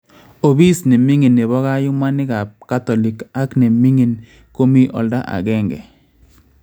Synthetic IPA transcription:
o˨bi˦snɪ˨mi˦ŋi˨nːɪ˨bɔ˦ɣa˦jʊ˦ma˦nɪ˦ka˨p̚ka˦t̪ɔ˨li˨ka˦kne˨mi˦ŋi˨n | ko˦mi˦ʔɔ̰˨lda˦ʔa̰˨ɡɛ˦˨ŋɡɛ̰˨

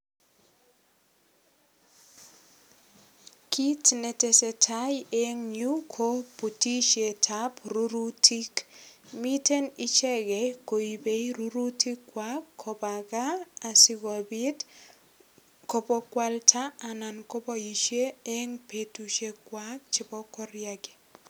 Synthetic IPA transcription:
kʰi˦tne˨te˨se˨tʰa˦je˦ŋɲu˦kʰo˦pu˨ti˦ʃe˨tʰa˦pɾu˦ɾu˦tʰi˦kmi˦te˦ni˦t͡ʃɛ˦ɡɛ˨ko˨i˨be˨i˦ɾu˦ɾu˦ti˦kːwa˦kʰːo˨ba˨ɡaː˦˨sɪ˨ɡɔ˨bɪ˦t | ko˨po˦kwa˦ltʰa˦a˨na˨nko˦bɔ˦ji˨ʃe˦e˦ŋpe˦tu˦ʃe˦kwa˦t͡ʃɪ˨˦bɔ˦kɔ˦ɾja˦ɡe̥˨

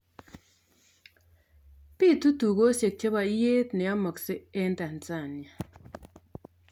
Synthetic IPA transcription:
pi˦˨tu˦tu˨ko˦se˨k̚t͡ʃe˦βa˨i˦je˦tnɛ˨jɔ˦mə˨kse˦e˦n˦ta˨n˨t͡sa˦˨ni˨a˨

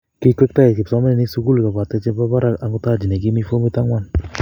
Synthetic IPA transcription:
ki˦kʷe˦k̚ta˦je˨ki˨psɔ˦mɛ˦nɛ˨ni˦su˦ku˦lka˨ba˨t̪ɛ˦t͡ʃɛ˦ba˦ba˦ɾa˦ka˨ŋu˦t̪a˦˨d͡ʒi˨ne˨k̬i˦mi˦fo˦mi˦t̪a˦ŋwa˦˨n

